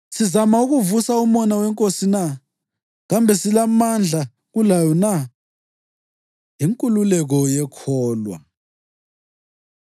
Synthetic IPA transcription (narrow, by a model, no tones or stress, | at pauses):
sizamauɣuvusaumɔnawɛŋkʼosina | ɣambʱɛsilamand͡ɮʱa | ɣulajɔna | ɦiŋkʼululɛɣɔjɛkʰɔːlwa̰